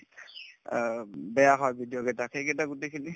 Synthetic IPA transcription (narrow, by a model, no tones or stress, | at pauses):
bɛjaɦɔjbʱidijɔkɛtakʰejkɛtaɡutekʰini